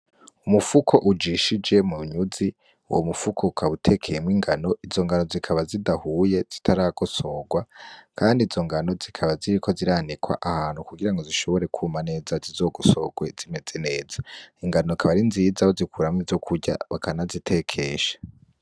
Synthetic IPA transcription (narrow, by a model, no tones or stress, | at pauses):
umufukʰo̞ʔud͡ʒiʃid͡ʒe̞muɲuzi | ṵwomufukʰoukʰaβutʰe̞kʰejemŋiːŋɡano̞ʔizo̞ŋɡano̞zikʰaβazidahuːje̞z̥itʰaɾaɡoso̞ːɡwakʰaːndizo̞ŋɡano̞zikʰaβaziɾikʰo̞ziɾanikwa̰ʔahaːnhukuɡiɾaŋɡo̞ziʃo̞βo̞ɾe̞kʰuːmane̞ːzazizo̞ːɡoso̞ɡwe̞z̥ime̞ze̞ne̞ːzaiŋɡanokʰaβaɾinziːzaβozikuɾamŋizo̞kʰuɾɟa̰βakʰanazitʰe̞kʰeʃḁ